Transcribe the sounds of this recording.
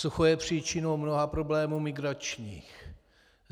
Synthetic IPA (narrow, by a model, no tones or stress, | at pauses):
suxojɛpr̥iːt͡ʃɪno̞wmnoɦapɾo̞blɛːmuːmɪɡɾat͡ʃɲiːx